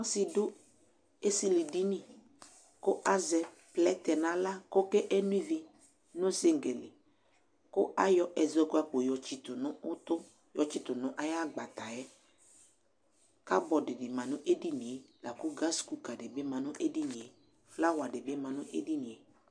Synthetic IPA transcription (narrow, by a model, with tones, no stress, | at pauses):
n˦sɪ˦dʊ˦ | e˦si˦li˨di˦nĩ˦ | kʊ˦ʔa˦zɛ˨ | plɛ˦t̪ɛ˨nã˨la˦ko˦kɛ˦ʔe˦nĩ˦vi˦ | nʊ̃˦sɪ˦ŋ˨ɡe˨lɪ˨ | kʊ˦ʔa˦jɔ˦ʔɛ˨zɔ˦ɡʊ˦a˨k͡po˨jɔ˨t͡ʃi˨t̪ʊ˨nʊ̃˦ʊ˦t̪ʊ˦ | jɔ˨t͡ʃi˨t̪ʊ˨nʊ̃˦ʔa˦ja˦˨ɡ͡ba˨t̪a˨jɛ˦ | ka˦bɔ˨dɪ˨dɪ˨mã˨nʊ̃˦ʔe˦di˦ni˨e˨la˨kʊ˦ɡa˦sku˨ka˨dɪ˨bɪ˦mã˨nʊ̃˦ʔe˦di˦nĩ˨e˨ | la˦wa˨dɪ˨bɪ˦mã˨nʊ̃˦ʔḛ˦di˦nĩ˨e˨